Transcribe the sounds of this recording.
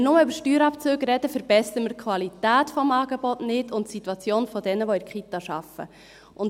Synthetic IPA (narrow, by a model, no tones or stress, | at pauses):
nʊməʏbɾʃtyːɾɑpt͡søːɡɾɛdəfəɾb̥ɛsəəmərkʰʋɑlitæːtfɔmɑːɡebɔtnɪtʊntsit̪ːwɑt͡sjoːnfɔdɛnəʋoɪkχitɑʃɑfə̰ | ʔʊn